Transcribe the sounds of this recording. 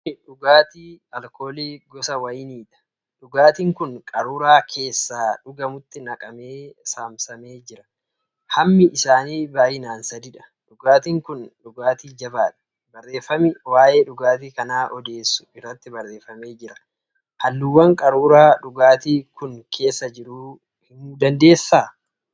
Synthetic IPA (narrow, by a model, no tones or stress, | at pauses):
ɪᶑʊɡaːt̪iːɐlkʰo̞ːliːɡɔsɐwɐjniːᶑ̪ɐ̥ | ᶑʊɡaːt̪iːŋkʊnkʼɐɾuːɾaːkʰe̞ːsːaːᶑʊɡɐmʊt̪ːɪnɐkʼɐme̞ːsaːmsɐme̞ːd͡ʒɪɾɐ̥ | hɐmːɪʔɪsaːniːbaːjɪnaːnsɐd̪iᶑɐ̥ | ᶑʊɡaːt̪iŋkʊnᶑʊɡaːt̪iːd͡ʒɐbaːᶑɐ̥ | bɐrːe̞ːfɐmɪwaːʔe̞ːᶑʊɡaːt̪iːkɐnaːʔɔd̪e̞ːsːʊ̥ɪrːɐt̪ːɪbɐrːe̞ːfɐme̞ːd͡ʒɪɾɐ̥ | hɐlːuwɐŋkʼɐɾuːɾaːᶑʊɡaːt̪iːkʊnkʰe̞ːsːɐd͡ʒɪɾuː | hɪmuːd̪ɐnd̪e̞ːsːaː